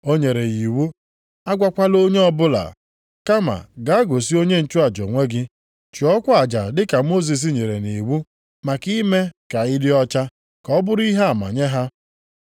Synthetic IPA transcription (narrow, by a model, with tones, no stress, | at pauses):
o˦ɲe˨ɾe˨ji˨wu˦ | a˦ɡʷa˦kʷa˦lo˦ɲe˦ɔ˦bʊ˦la̰˨ | ka˦ma̰˨ɡa˨˦a˦ɡo˨si˦o˦ɲe˦n̩˦t͡ʃu˦a˨d͡ʒɔ̰˨ŋʷe˦ɡɪ˦ | t͡ʃi˨ɔ˦kʷa˦a˨d͡ʒa˨dɪ˦ka˨mo˦z̬i˨s̬i˦ɲe˨ɾe˨ni˨wu˦ | ma˨ki˦me˦ka˨ɪ˦dɪ˦ɔ˦t͡ʃa˦ | kɔ˦bʊ˦ɾi˦ɦe˦a˨ma̰˨ɲe˦ɦa˦